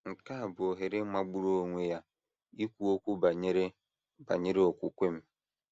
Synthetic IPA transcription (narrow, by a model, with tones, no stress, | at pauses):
ŋ̩˨ka˦a˨bʊ˨o˨ɦe˨ɾe˦ma˨ɡ͡bu˦ɾo˦o˦ŋʷe˦ja˦ | i˦kʷu˨o˦kʷu˦ba˨ɲe˦ɾe˦ | ba̰˨ɲe˦ɾe˦o˨kʷu˦kʷe˦m̩˦